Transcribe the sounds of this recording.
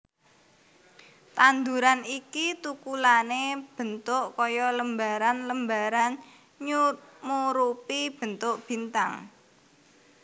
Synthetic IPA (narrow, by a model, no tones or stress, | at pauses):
t̪and̪uɾanikit̪ukulaneb̥ənt̪ʊʔkɔjɔləmbaɾanləmbaɾan | ɲumuɾupib̥ə̤nt̪ʊʔb̥i̤nt̪aŋ